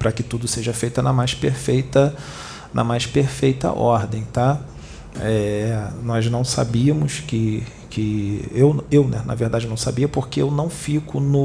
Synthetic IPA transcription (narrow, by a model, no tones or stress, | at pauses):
pɾɐkɪt̪ud̪ʊseʒɐfejt̪ɐnɐmajspeɾfejt̪ɐ | nʔɐ̰majspeɾfejt̪ɐ̰ʔɔɾd̪ẽj̃t̪a | ɛnɔznɐ̃w̃sa̰biɐmʊskɪ | kɪewewnɛnɐ̰veɾd̪ad͡ʒɪnɐ̃w̃sabiɐpoɾkeewnɐ̃w̃fikʊnʊ